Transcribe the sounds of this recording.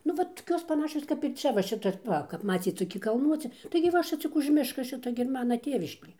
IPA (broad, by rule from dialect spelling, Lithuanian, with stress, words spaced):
nʊ ˈʋɐt toːˈkʲoːs pɐˈnɑːʃʲoːs kɐp ɪr ˈt͡ʃʲɛ ʋɐ ˈʃʲɪtɐ ˈʋɐ kɐp ˈmɑːt͡sʲiːt toːˈkʲɪ kɐlˠˈnuɔt͡sʲɪ tɐɪɡʲɪ ˈʋɐ ˈʃʲɪt͡s t͡sʲɪk ʊʃ ˈmʲɪʃkɐ ˈʃʲɪtoː ɡʲɪ ɪr ˈmɑːnɐ ˈtʲeːʋʲɪʃʲkʲeː